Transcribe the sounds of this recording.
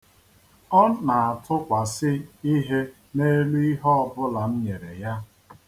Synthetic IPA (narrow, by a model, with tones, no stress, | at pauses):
ɔ˦na˨a˨tʰʊ˦kʷa˨sɪ˦i˦ɦe˦ | ne˦lu˦i˦ɦɔ˦bʊ˦la˨n̩˦ɲe˨ɾe˨ja˦